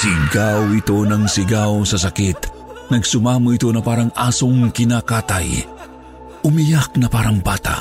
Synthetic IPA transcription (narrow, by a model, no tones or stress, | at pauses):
sɪɡawɪt̪o̞nɐŋsɪɡawsɐs̬ɐkit̪ | nɐɡsʊmaːmuʔɪt̪o̞nɐpaːɾɐŋʔaːsoŋkɪnakaːt̪a̰j | ʔʊmijak̚nɐpaːɾɐŋbaːt̪a̰